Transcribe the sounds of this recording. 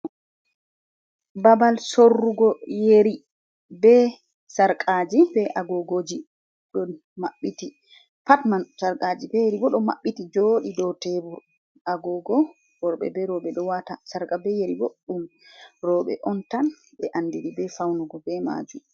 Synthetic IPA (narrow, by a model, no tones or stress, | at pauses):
babalsorːuɡɔjeɾi | bɛ | saɾkʼad͡ʒibɛʔaɡɔɡod͡ʒi | ɗɔn | maɓːiti | patmansaɾkʼad͡ʒibɛjeɾibɔɗɔma̰ɓːitid͡ʒoɗidɔtɛbuɾ | aɡɔɡɔ | wɔɾɓɛ̰bɛɾɔɓɛɗɔwatasaɾkabɛjeɾibɔɗɗumɾɔɓɛ̰ʔɔntan | bɛʔandiɾibɛfawnuɡɔbɛma̰d͡ʒum